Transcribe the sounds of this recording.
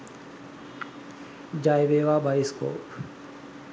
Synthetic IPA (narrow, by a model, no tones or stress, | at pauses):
d͡ʒajʋeːʋaːbajisko̰ːp